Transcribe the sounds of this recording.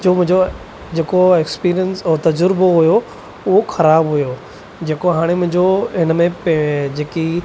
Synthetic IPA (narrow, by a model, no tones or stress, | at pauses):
d͡ʑoːmʊ̃ɦɪ̃ɲd͡ʑo | d͡ʑeːkoekspiːɾijənsɔːt̪ɐd͡ʑʊɾɪboɦʊjo | ʊɦoxɐɾaːbɦʊjo | d͡ʑeːkoɦaːɽ̃emʊ̃ɦɪ̃ɲd͡ʑoɦɪnmẽped͡ʑeːki